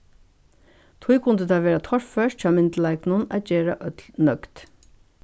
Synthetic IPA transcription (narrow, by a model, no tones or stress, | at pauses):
t̪ʰuɪkʰʊnd̪əd̪ʰɑːʋeːɾat̪ʰɔɹfœʃ̚c͡çɑːmɪnd̪əl̩æɪknʊnæ̰ːt̪̚d͡ʒeːɾaʔœt̪lnœkt̪